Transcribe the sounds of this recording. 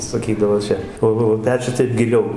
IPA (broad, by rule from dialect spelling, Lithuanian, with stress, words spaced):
sɐˈkʲiːdɐʋoː ˈt͡ʃʲɛ ˈoː oː oː ˈpʲæːt͡ʃʲʊs ˈtɐɪp ɡʲɪˈlʲɛʊ